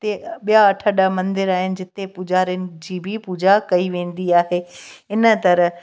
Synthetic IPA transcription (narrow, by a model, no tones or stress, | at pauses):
t̪eɓijaɐʈʰəɗəmɐ̃nd̪ɪɾaːɦɪnɪ̆d͡ʑɪt̪epud͡ʑaːɾijənɪ̆d͡ʑiːbʱɪpuːd͡ʑakɐiʋẽːn̆d̪iaːɦeɪnət̪ɐɾə